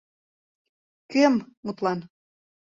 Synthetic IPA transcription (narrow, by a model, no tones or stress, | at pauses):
kømmut̪lɑn